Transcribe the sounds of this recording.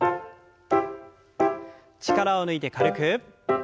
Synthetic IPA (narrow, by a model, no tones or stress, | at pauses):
t͡ɕʰiɡaɾaonɯit̪ekaɾɯkʰɯp̚